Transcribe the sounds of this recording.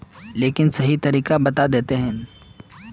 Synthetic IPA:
leːkɪnsɐɦit̪ɐɾiːkabɐt̪ad̪eːt̪eɦɛ̃ː

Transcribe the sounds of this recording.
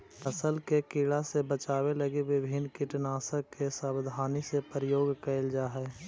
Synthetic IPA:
əsəlkekɪɭasebət͡ʃaːwelɐɡiwɪbʱɪnkɪʈnaːsəkesəbd̪ʱaːnisepɾəjoːɡkəɪld͡ʒaːɦɛː

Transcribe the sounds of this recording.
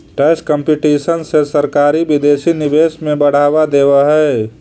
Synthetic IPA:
ʈɛskəmpiʈisənsesəɾkaːɾibid̪eːsinibesmẽbəɽ̤aːbad̪ebəɦɛ

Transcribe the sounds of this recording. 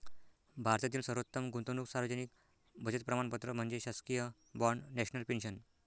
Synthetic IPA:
bʱaɾt̪jat̪̬iːlsəɾot̪ːəmɡut̪onuksaɾʋəd͡ʑənik̚ | bʱəd͡ʑət̪̚pɾəmaɳpət̪ɾəm̤əɳd͡zeɕaskijə | bɔɳɖnɛɕnəlpenɕən

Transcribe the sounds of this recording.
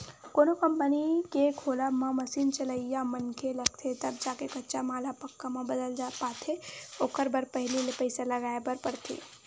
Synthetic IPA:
koːnokəmpənikekʰoːlamãmɐsiːnt͡ʃɐləijamənkʰelɐɡt̪ʰet̪ɐb̚d͡ʒaːkekɐtːʃamaːlapɐkːamãbəd̪əlapaːt̪ʰeoːkəɾbəɾpɐɦlilepəɪsalɐɡaːepɐɾpɐɾt̪ʰḛː

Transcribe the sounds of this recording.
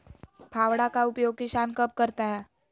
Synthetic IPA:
pʰaːwɽakaʊpjoːɡ̚kiʃaːnkəp̚kəɾt̪aɦɛː

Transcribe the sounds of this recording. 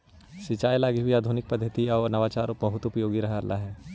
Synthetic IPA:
sɪt͡ʃaːjlaːɡiɦiaːd̪ʱunɪk̚pɐd̪ʱːət̪iɔːnɐʋaːt͡ʃaːɾʊpbɐɦʊt̪ʊpjoːɡiɾɐɦaːɾla̰ɦɛː

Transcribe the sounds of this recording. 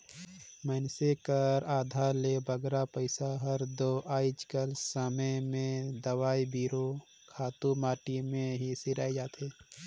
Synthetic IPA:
mənsekəɾaːd̪ʱaːɾlebəɡɾapəɪsaɦəɾd̪oʔaːɪd͡ʒkəlsəməmẽd̪əwaːibiːɾo | kʰaːt̪umaːʈimẽɦisɪɾaːid͡ʒaːt̪eː

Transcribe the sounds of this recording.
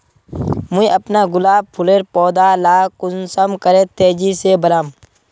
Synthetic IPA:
mʊiʔɐpnaɡʊlaːb̚pʰʊleːɾpɔːd̪aːlaːkʊnsəmkəɾẽt̪eːd͡ʒisebəɾaːm

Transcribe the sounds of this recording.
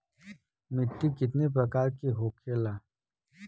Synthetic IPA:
mɪt̪ːikɪt̪nepɾɐkaːɾkiɦoːkʰelaː

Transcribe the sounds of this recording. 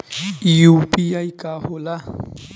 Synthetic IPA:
ijupijajkahola

